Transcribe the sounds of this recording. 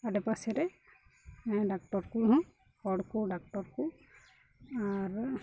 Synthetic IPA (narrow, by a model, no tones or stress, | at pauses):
aɖɛpasɛɾɛ | mɛ̃ɖak̚ʈɔɾkuɦũ | kɔɖkuɖak̚ʈɔɾku | aɾ